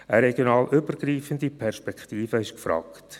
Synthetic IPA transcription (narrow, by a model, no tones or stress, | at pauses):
əɾɛɡjonɑːlʔʏbərɡɾiːfəndipʰɛɾʃpɛkχtiːfəɪʃkfɾɑ̰ːkt